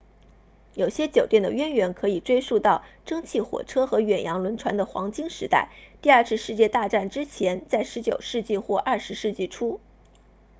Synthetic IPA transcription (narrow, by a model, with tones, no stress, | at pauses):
jo˨˩ʊɕjɛ˥t͡ɕjo˨˩ʊt̪jɛ˥˩nd̪ə̰˩ɥɛ˥nɥɛ˧˥nkʰɤ˧˥i˨˩ʈ͡ʂwe˥ɪʂu˥˧t̪ɑ˥˩ʊʈ͡ʂɤ˥ŋt͡ɕʰi˥˩xwɔ̰˨˩ʈ͡ʂʰɤ˥xɤ˧˥ɥɛ˨˩njɑ˧˥ŋlwə˧˥nʈ͡ʂʰwa˧˥nd̪ə˨xwɑ̰˧˥ŋt͡ɕi˥ŋʂɻ̩˧˥t̪a̰˥˩ɪt̪i˥˧ɐ˥˧t͡s̩ʰ˥˧ʂɻ̩˥˧t͡ɕjɛ˥˧t̪a˥˧ʈ͡ʂa˥˩nʈ͡ʂɻ̩˥t͡ɕʰjɛ˧˥nt͡sa˥˩ɪʂɻ̩˧˥t͡ɕjo˨˩ʊʂɻ̩˥˧t͡ɕi˥˧xwɔ˥˧ʔɐ˞˥˩ʂɻ̩˧˥ʂɻ̩˥˧t͡ɕi˥˩ʈ͡ʂʰu˥